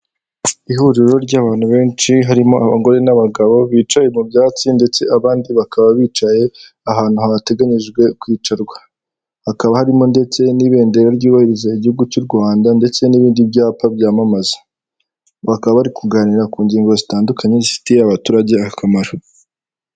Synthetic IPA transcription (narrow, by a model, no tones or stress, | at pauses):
ihuɾiɾo̞ɾɟaːβaːnhuβe̞ːnt͡ʃiɦaɾimo̞aβaŋɡo̞ɾe̞naβaɡaβo̞βiːt͡ʃaje̞mubjaːt͡sinde̞t͡se̞ʔaβaːndiβakaβaβiːt͡ʃaje̞ | aɦaːn̥huhaβate̞ɡaɲiʒɡwe̞kwiːt͡ʃaɾɡwḁ | hakaβahaɾimo̞nde̞t͡se̞niβe̞ːnde̞ɾaɾɟuːβahiɾizaiɟihuɡut͡ʃuɾɡwaːndande̞t͡se̞niβiːndibɟaːpabɟaːmamazḁ | βakaβaβaɾikuɡaːniɾakuːɲɟiːŋɡo̞zitaːndukʰaɲe̞zisi̥tijeaβatuːɾaɟe̞aakamaɾo